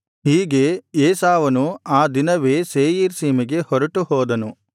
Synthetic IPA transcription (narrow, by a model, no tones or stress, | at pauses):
ɦiːɡe̞eːsaːʋɐnuaːd̪inɐʋeːseːjiːɾsiːmiɡe̞hɔɾɐʈuɦɔːd̪ɐnu